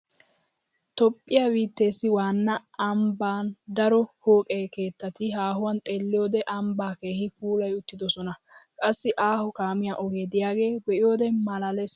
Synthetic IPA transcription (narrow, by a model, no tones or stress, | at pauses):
t̪ɔpʼːɪjaːbiːt̪ːe̞ːsːɪwaːnːɐɐmbaːnd̪ɐɾɔhoːkʼeːke̞ːt̪ːɐt̪ɪɦaːɦʊwɐnt̪ʼe̞ːlːɪjo̞ːd̪ɛʔɐmbaːke̞ːhɪpuːlɐjʊt̪ːɪd̪ɔsɔnɐkʼɐsːɪʔaːhɔkaːmɪjaʔɔɡeːd̪ɪjaːɡe̞ːbɛʔɪjo̞ːd̪ɛmɐlɐlɛs